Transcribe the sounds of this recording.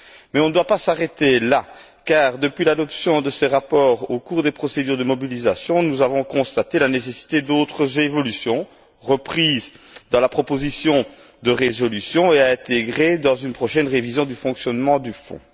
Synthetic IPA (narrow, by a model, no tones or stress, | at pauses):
mɛɔ̃nəd̪wapasaʁet̪ela | kaːʁd̪əpɥilad̪ɔpsjɔ̃d̪əseʁapɔːʁokuːʁd̪epχɔsed̪yːʁd̪əmɔbilizasjɔ̃nuzavɔ̃kɔ̃st̪at̪elanesesi̥t̪ed̪ot̪χəzevɔlysjɔ̃ | ʁəpχiːzd̪ɑ̃lapχɔpozisjɔ̃d̪əʁezɔlysjɔ̃eaɛ̃t̪eɡʁed̪ɑ̃zynpχɔʃɛnʁevizjɔ̃d̪yfɔ̃ksjɔnmɑ̃d̪yfɔ̰̃